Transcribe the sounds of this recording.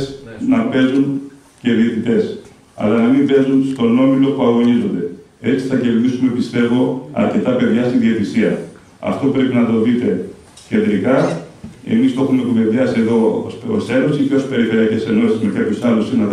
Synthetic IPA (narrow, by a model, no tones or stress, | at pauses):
snɐpe̞zun | ce̞ðiet̪it̪e̞s | ɐ̰lɐnɐmiɱve̞zunst̪o̞no̞milo̞puɐɣo̞ɲizo̞nd̪e̞e̞t͡si̥θɐce̞ɾðisume̞pist̪e̞vo̞ɐ̰ɾce̞t̪ɐpe̞ðʝɐst̪iðiet̪isiɐ | ɐ̰ft̪o̞pɾe̞pinɐt̪o̞ðit̪e̞ | ce̞nd̪ɾikɐ | e̞̰mist̪o̞xumekuve̞ðjɐsieðo̞̰sose̞nosiceospe̞ɾife̞ɾiɐcesenolsimetʰɐpçosɐlosinɐ